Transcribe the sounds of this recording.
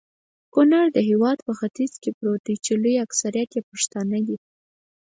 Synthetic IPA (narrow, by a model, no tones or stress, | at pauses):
kʊnaɾd̪əɦewɑd̪pəxat̪izkepɾot̪it͡ʃelujaksaɾijat̪jepaʂt̪ɑnad̪i